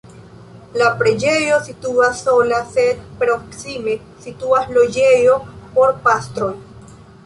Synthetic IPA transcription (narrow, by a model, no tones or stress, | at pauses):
lapɾe̞d͡ʒe̞jo̞situasːo̞lase̞d̚pɾo̞ksime̞ | situaslo̞d͡ʒe̞jo̞po̞ɾpast̪ɾo̞j